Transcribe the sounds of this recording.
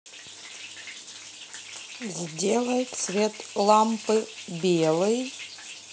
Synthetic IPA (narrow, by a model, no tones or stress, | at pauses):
zʲdʲe̞lˠəjt̪svʲe̞t̪lˠampɨbʲelˠɨj